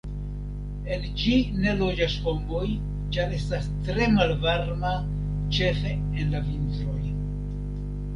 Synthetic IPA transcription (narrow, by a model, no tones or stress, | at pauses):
e̞nd͡ʒine̞lo̞d͡ʒasho̞mbo̞j | t͡ʃaɾe̞stastɾe̞malvaɾma | t͡ʃe̞fe̞ | enlavintɾo̞j